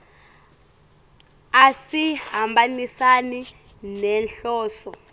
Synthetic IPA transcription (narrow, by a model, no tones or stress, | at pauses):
asihambanisani | nɛnɬɔːɬɔ